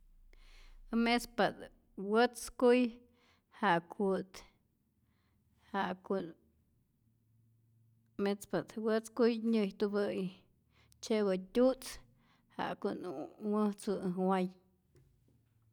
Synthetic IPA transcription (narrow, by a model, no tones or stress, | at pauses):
ɨmet͡spat̪ | wət͡skuj | haʔkʰut̪ | haku | met͡spat̪wət͡skujɲɨjt̪ubɨj | t͡ʃewɨtʲut͡s | ha̰ʔkunwəht͡sɨwaj